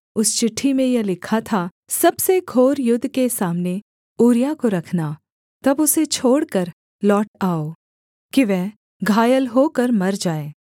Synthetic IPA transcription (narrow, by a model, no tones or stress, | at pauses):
ʊst͡ʃɪʈʰːimẽjɐlɪkʰat̪ʰa | sɐbseɡʱoːɾjʊd̪ʱːkesaːmne | uːɾjakoɾɐkʰna | t̪ɐbʊset͡ʃʰoːɽkɐɾ | lɔːʈaːoː | kiʋɛɦ | ɡʱaːjəlɦoːkɐɾmɐɾd͡ʒaːeː